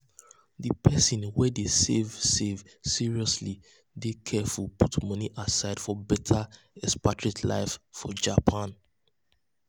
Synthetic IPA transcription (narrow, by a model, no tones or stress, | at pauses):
dipʰɛsĩnwɛdesevsev | siɹiɔsli | dekʰɛfulˠputmʌniʔasaɪd̥fɔbɛtʰa | ɛspatɹitla̰ɪffɔd͡ʒapʰãn